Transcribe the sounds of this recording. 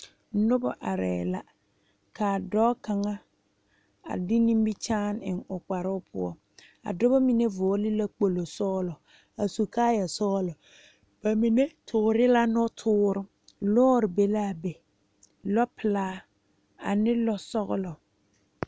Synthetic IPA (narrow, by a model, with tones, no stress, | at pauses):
nʊ˦bɔ˨ʔa̰˨ɾɛ̰ː˨la˦ | kaː˨dɔː˦ka˨ŋa˦ | a̰˨dɪ˦nĩ˦mbi˦t͡ʃaː˦nɪ˨nʊ˨k͡pa˨ɾʊ˦pʰʊ̰˦ɔ̰˦ | a̰˨dʊ˦ba˦mi˨ne˦vʊ˨ɔ˦li˦la˦k͡po˨lo˨sɔː˦lɔ˨ | a˨su˨kaː˦ja˨sɔː˦lɔ˨ | b̥a˨mi˨ne˦tʰʊ˨ɾɪ˦la˦nɔ˦tʰʊː˦ɾʊ˦ | lɔː˦ɾɪ˨be˦laː˦˨be˨ | lɔ˦pɪ˨laː˦ | a̰˨nɪ˦lɔ˦sɔ˦ɣʊ̰˦lɔ˨